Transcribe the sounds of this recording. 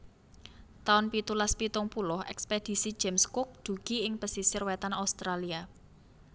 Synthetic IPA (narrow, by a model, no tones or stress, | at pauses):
t̪aʊnpit̪ulaspit̪ʊŋpulʊhʔɛ̰ksped̪̥i̤sid̥ʒ̥emskʊk̚d̪̥ṳɡ̥i̤ɪŋpəsisɪrwɛt̪anaust̪ɾalia